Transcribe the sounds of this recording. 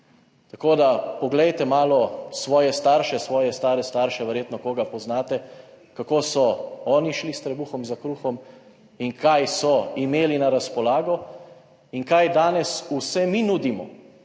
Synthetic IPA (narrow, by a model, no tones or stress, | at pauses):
t̪akoːd̪apɔɡlɛjt̪ɛmaːlɔsʋɔːjɛst̪aːɾʃɛsʋɔːjɛst̪aːɾɛst̪aːɾʃɛʋɛɾjeːt̪nɔkoːɡapɔznaːt̪ɛ | kakoːsɔɔːniʃlist̪ɾɛbuxɔmzakɾuːxɔm | iŋkʰajsɔimeːlinaɾaspɔlaːɡɔ | iŋkajd̪aːnɛsusɛminuːd̪imɔ̰